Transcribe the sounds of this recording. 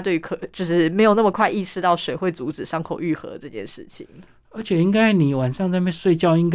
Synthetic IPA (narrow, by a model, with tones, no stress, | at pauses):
t̪we˥˩ɪy˧˥kʰɤ˨˩t͡ɕjo˥˧ʊʂɻ̩˥˩me˧ɪjo˨˩ʊnə˥˩mə˨˩kʰwa˥˧ɪi˥˧ʂɻ̩˥˧t̪ɑ˥˩ʊʂwe˨˩ɪxwe˥˩ɪt͡su˧˥ʈ͡ʂɻ̩˨˩ʂɑ˥ŋkʰo˨˩ʊy˥˩xɤ̰˧˥d̪ə˦ʈ͡ʂɤ˥˧t͡ɕjɛ̰˥˧nʂɻ̩˥˩t͡ɕʰḭ˨˦ŋ | ə˧˥t͡ɕʰjɛ˨˩i˥ŋka˥ɪni˨˩wa˨˩nʂɑ˥˧ŋt͡sa˥˧ɪpe˥˧nswe˥˧ɪt͡ɕjɑ˥˧ʊi˥ŋk